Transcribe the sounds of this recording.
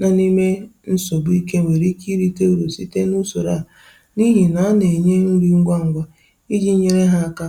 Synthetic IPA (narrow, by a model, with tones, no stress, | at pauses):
na˨ni˦me˦n̩˦so˨bu˦i˦k̬e˦ŋʷe˨ɾi˦ki˦ɾi˦ke˦u˦ɾo˨si˦te˦nu˦so˨ɾa˦˨ | ni˦ɦi˨na˨a˦ne˨ɲe˦ŋ̩˦ɾi˦ŋ̩˦ɡʷa˦ŋ̩˦ɡʷa˦ | i˦d͡ʒi˦ɲe˨ɾe˦ɦa˦a˦ka˦